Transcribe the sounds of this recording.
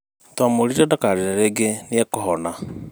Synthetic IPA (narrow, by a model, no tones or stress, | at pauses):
twamoɾiɾadakaɾeɾaɾeːɡeniekɔɦɔna